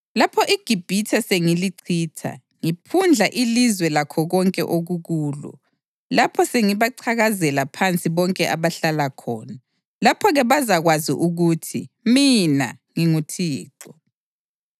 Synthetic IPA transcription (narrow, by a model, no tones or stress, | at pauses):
lapʰɔʔiɡ̥ʱib̥ʱitʰaseŋiliǀʰiːtʰa̰ | ŋipʰund͡ɮʱaʔilizwɛlakʰɔɣɔŋkʼɛ̰ʔoɣuɣuːlɔ̰ | lapʰɔseŋiβaǀʰaɣazɛlapʰant͡sʼiβɔŋkʼɛʔaβaɬalakʰɔːna | lapʰɔɣɛβazaɣwazḭʔuɣutʰḭ | mina̰ŋiŋutʰiːǃɔ